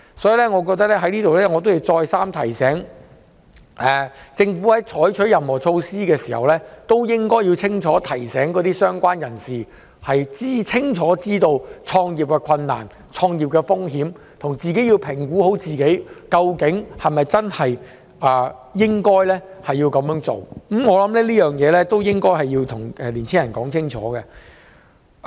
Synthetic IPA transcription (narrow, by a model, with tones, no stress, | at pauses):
sɔ˨˥jiː˨˧lɛː˥ŋɔː˨˧kɔ˧t̪̬ɐ˥lɛː˥ɦɐ˨˥jliː˥t̪o˨wlɛː˥ŋɔː˨˧t̪o˥wji˨˧wt͡sɔː˧jsaː˥mt̪ʰɐ˨˩jsɛː˨˥ŋ | ʔɛː˨t͡sɪ˧ŋfuː˨˥hɐ˨˥jt͡ʃʰɔː˨˥jt͡ʃʰɵ˨˥jɐ˨mhɔː˨˩t͡ʃʰo˧wsiː˥kɛː˧siː˨˩hɐ̰˨wlɛː˥t̪o˥wjɪ˥ŋkɔː˥ji˧wt͡sʰɪ˥ŋt͡ʃʰɔː˨˥t̪ʰɐ˨˩jsɛː˨˥ŋkɔː˨˥t̪iː˥sœː˥ŋkʷaː˥njɐ˨˩nsiː˨ | hɐ˨jt͡siː˥t͡sʰɪ˥ŋt͡ʃʰɔː˨˥t͡siː˥t̪o˧wt͡ʃʰɔː˧ŋjiː˨˩p̚kɛ˧kʷʰɐ˧nːa̰ː˨˩n | t͡ʃʰɔː˧ŋjiː˨˩p̚kɛ˧fʊ˥ŋɦiː˨˥m | t̪ʰʊ˨˩ŋt͡siː˨k̬e˨˥jiː˧wpʰɪ˨˩ŋkuː˨˥ho˨˥wt͡siː˨ke˨˥jkɐ˧wkɪ˨˥ŋhɐ˨jmɐ˨jt͡sɐ˥nhɐ˨j | ʔaː˨jɪ˥ŋkɔː˥jlɛː˥hɐ˨jːi˧wkɐ˨˧mjœː˨˥ŋt͡so˨wŋ̩˨˥mŋɔː˨˧lɐ˨˧˥mlɛː˥liː˥jœː˨ŋjɛː˨˧lɛː˥t̪o˥wjɪ˥ŋkɔː˥jɦɐ˨jiː˧wt̪ʰʊ˨˩ŋɛ˨liː˨˩nt͡sʰɪ˥ŋjɐ˨˩nkɔː˨˥ŋt͡sʰɪ˥ŋt͡ʃʰɔ̰ː˨˥ɡɛ˧